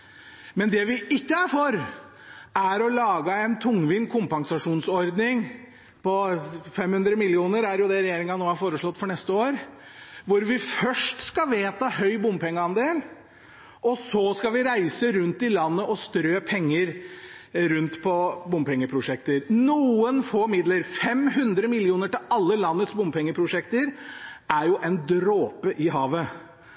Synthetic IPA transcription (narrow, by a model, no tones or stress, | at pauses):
mɛnd̪ɛʋɪɪkːəæɾfɔɾ | æɾɔlɑːɡəɛnt̪ʰʊŋʋɪnkʰʊmpɑŋsɑʂuːnsɔɾd̪nɪŋ | pʰɔfɛmhʉnd̪ɾəmɪlɪuːnəɾæɾjʊd̪ɛɾɛjeːɾɪŋɑnoːhɑɾfoːɾəʂɭɔt̪ːfɔɳɛst̪əoːɾ | ʋʊɾʋɪfœʂʈskɑʋeːt̪ɑhœʏbʊmpʰɛŋːəɑnd̪eːl | ʔɔsɔskɑʋɪɾæɪsəɾʉnt̪ɪlɑnːəʔɔst̪ɾøːpʰɛŋːəɾ | ɾʉnt̪pʰɔbʊmpʰɛŋːəpʰɾʊʂɛk̚t̪əɾnuːənfoɾmɪd̪ləɾfɛmɦʉnd̪ɾəmɪlɪuːnəʈɪlɑlːəlɑnːət̪sbʊmpʰɛŋːəpʰɾʊʂɛkt̪əɾæɾjʊʔɛnd̪ɾoːpəʔɪɦɑːʋə